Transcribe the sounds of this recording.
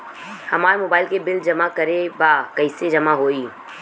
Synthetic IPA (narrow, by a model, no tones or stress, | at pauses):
hɐmaːɾmoːbaːɪlkebɪld͡ʒɐmakɐɾebaːkɐɪsed͡ʒɐmaɦoːiː